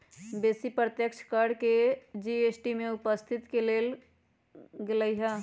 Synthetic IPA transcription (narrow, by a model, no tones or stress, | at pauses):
beːsipɾət̪jəkt͡ʃʰkəɾɖked͡ʒieːsʈimẽʊpəst̪ʰɪt̪keleːl | ɡɪləiɦa